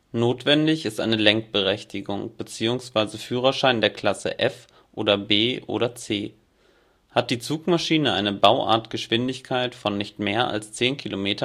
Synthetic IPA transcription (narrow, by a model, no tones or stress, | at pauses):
noːtv̥ɛndɪçɪstʔa̰ɪnəlɛŋk̚b̥əʁɛçtɪɡʊŋb̥ət͡siːʊŋsv̥aɪzəfyːʁ̞ɐʃaɪndeːɐkʰl̥asə̰ʔɛf | ʔoːɾɐbeːʔo̰ːɾɐt͡seː | hat̚d̥iːt͡suːkmaʃiːnəʔa̰ɪnəbaʊʔa̰ɐtɡ̥əʃv̥ɪndɪçkʰaɪtfɔnːɪçtmeːɐʔa̰lst͡seːnkʰilomeːtɐ